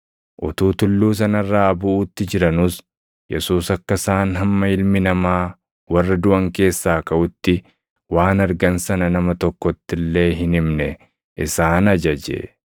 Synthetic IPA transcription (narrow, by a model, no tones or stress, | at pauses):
ʔʊt̪uːt̪ʊlːuːs̬ɐnɐrːaːbʊʔuːt̪ːɪd͡ʒɪɾɐnʊs | jɛsuːsɐkːɐsaːnɦɐmːɐɪlmɪnɐmaː | wɐrːɐd̪ʊʔɐŋke̞ːsːaːkɐʔʊt̪ːɪ | waːnɐɾɡɐnsɐnɐnɐmɐt̪ɔkːɔt̪ːɪlːe̞ːɦɪnɪmnɛ | ʔɪ̰saːnɐd͡ʒɐd͡ʒḛ